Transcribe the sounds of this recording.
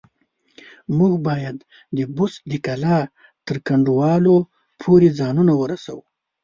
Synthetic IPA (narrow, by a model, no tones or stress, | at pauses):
muɡbɑjad̪ | d̪əbʊsd̪əkala | t̪əɾkaɳɖuwɑlo | pʰoɾed͡zɑnunawəɾasa̰wu